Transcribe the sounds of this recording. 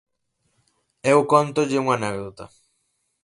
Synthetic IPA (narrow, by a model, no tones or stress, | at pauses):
ewkont̪ʊʎɪuŋanɛɡ̚d̪ot̪ɐ̰